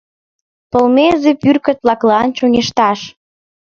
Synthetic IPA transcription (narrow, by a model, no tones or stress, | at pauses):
pəlmezepyrkət̪lɑklɤɑnt͡ɕoŋeʃt̪ɑʃ